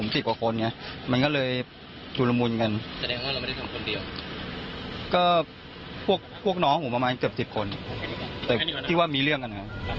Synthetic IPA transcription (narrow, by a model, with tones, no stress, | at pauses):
o˩˦msi˨˩p̚kwa˨˩kʰo˧nːi˥˩ma˧nkɔː˥˩lɤː˧j | t͡ɕuː˧la˧mu˧nka˧nsa˧dɛː˧ŋwaː˥˩a˧wm˥˩a˥˩t̪ʰa˧mkʰo˧ndi˧əw | kɔː˥˩ | pʰu˥˩ək̚pʰu˥˩ək̚nɔː˧˥˦ŋhʰuː˩˦pa˧maː˧nkɯ˨˩əp̚si˨˩p̚kʰo˧nt̪ɛː˨˩iː˥˩waː˥˩miː˧ɾɯ˥˩əŋka˧n˩a˦˥